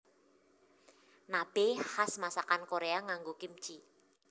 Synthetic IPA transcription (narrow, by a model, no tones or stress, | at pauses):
nab̥ehasmasakankoɾeaŋaŋɡokim̥t͡ʃi